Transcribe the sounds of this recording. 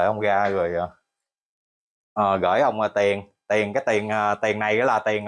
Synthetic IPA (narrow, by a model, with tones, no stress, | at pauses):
jhə˧wŋ͡mɣaː˧ɣɨ˨˩əjʔəː˨˩ | ʔəː˨˩ɣəː˧˩jhə˧wŋ͡məː˨˩t̪i˨˩ən | t̪i˨˩əŋkaː˨˦jt̪i˨˩ənʔəː˨˩t̪i˨˩ŋːna˨˩jɛ̰ː˧˦laː˨˩t̪i˨˩əŋ